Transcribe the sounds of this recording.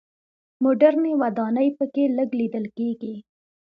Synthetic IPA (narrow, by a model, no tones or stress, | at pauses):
mʊɖaɾnewad̪ɑnəjpəkeləɡlid̪əlkeɡi